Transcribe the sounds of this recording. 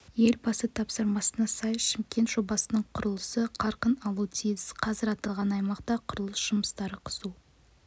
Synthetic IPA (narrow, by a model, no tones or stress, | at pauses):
je̞lbɑsət̪ʰɑpsəɾmɑsənɑsɑjʃɪmkʲe̞nt̪ʒ̥o̞bɑsənəɴqʰʊɾəlˠəsəqʰɑɾqənɑlˠut̪ʰijɪsqʰɑzɪɾɑt̪ɑlˠʁɑnɑjmɑqt̪ɑqʰʊɾəlˠəsʒ̥ʊməst̪ɑɾəqʰə̥zu